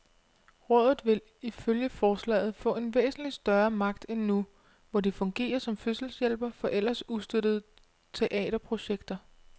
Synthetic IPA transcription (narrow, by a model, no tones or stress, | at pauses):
ʁɔ̽ːðˠð̩ˠʋe̝l | iføljəfɒːslɛ̰ːɪð̞̩ˠfɔ̰̽ːe̝nʋḛːsn̩lid̥sd̥ɶɐmɑ̈ɡ̥̚d̥enːu | ʋɒdifɔ̽ŋɡ̥e̝̰ːɐsɒ̽mføsl̩sjelb̥ɐfɒ̽ʔel̰ɐsuðˠsd̥øɾ̥əð̞̩ˠ | t͡sʰe̝ʔɛ̰ːɾ̥ɐpʰʁo̝ɕeɡ̥d̥ɐ